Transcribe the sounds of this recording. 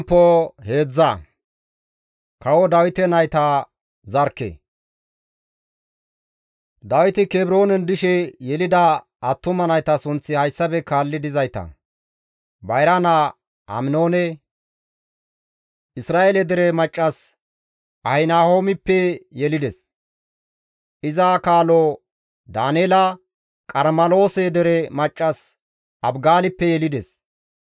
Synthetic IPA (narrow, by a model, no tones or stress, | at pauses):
pːohe̞ːd͡zːɐ | kɐwɔd̪ɐwɪt̪ɛnɐjt̪ɐ | zɐɾkːɛ̰ | d̪ɐwɪt̪ɪkebɾo̞ːnɛnd̪ɪʃɛjɛlɪd̪ɐ | ɐt̪ːʊmɐnɐjt̪ɐsʊnt͡sːɪhɐjsːɐbɛkaːlːɪd̪ɪzɐjt̪ɐ̰ | bɐjɾɐnɐ | ɐ̰mnoːnɛ | ʔɪsɾaːʔelɛd̪ɛɾɛmɐt͡ʃʼːɐs | ʔɐhɪnaːho̞ːmɪpːɛjɛlɪd̪ɛs | ʔɪzakaːlo | d̪aːneːlɐ | kʼɐɾmɐlo̞ːsɛd̪ɛɾɛmɐt͡ʃʼːɐs | ʔɐbɡaːlɪpːɛjɛlɪd̪ɛs